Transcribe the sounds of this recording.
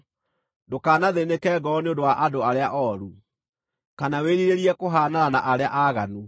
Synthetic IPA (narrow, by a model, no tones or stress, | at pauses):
dokaːnaðenekɛːɡɔɔneondowaʔadoaɾeaʔɔɾu | kanaweɾiɾeɾiɛkoɦanaɾanaʔaɾea̰ʔaɣanu